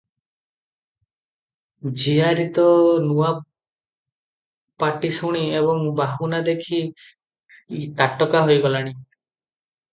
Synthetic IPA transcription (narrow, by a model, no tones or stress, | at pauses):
d͡ʒiaɾit̪ɔnua | paʈisuɽ̃ieβɔŋbaɦunad̪ekʰi | t̪aʈɔkaɦojɡɔlaɽ̃i